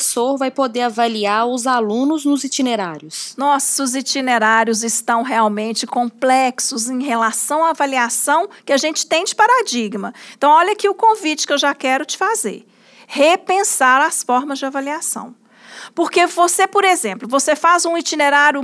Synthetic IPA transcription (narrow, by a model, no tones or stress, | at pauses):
soɾvajpod̪eɾavaliaɾʊzalũnʊznʊzit͡ʃineɾaɾjʊsnɔsʊzit͡ʃineɾaɾjʊzɪst̪ɐ̃w̃ɦeawmẽnt͡ʃɪkõmplɛksʊzẽj̃ɦelasɐ̃w̃aːvaliasɐ̃w̃kɪaʒẽnt͡ʃɪ̥t̪ẽj̃d͡ʒɪpaɾad͡ʒiɡmɐeẽt̪ɐ̃w̃ɔʎɐakiʊkõvit͡ʃɪ̥kewʒakɛɾʊt͡ʃɪ̥fazḛɾ | hepẽsaɾasfɔɾmɐzd͡ʒɪavaliasɐ̰̃w̃ | poɾkevosepoɾezẽmplʊvosefazũit͡ʃineɾaɾjʊ